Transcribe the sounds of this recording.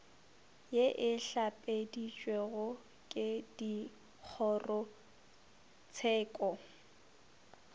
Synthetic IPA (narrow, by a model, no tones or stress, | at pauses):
jeʔɪɬapʼedit͡ʃʼweɣʊ | kʼɪdi | k͡xʰɔrʊ | t͡sʰɛːkʼɔ